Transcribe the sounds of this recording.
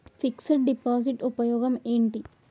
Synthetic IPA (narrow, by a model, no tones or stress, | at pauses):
fiksɐʈ̚ɖipaːsiʈupɐjɔːɡɐmeːɳʈi